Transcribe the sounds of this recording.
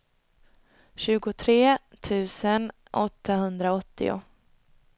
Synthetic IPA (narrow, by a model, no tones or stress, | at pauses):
ɕʉ̟ːɡʊt̪ʰɾeː | t̪ʰʉ̟ːsən | ʔɔt̪ːaɦɵnd̪ɾaɔt̪ːɪ̰ʊ̰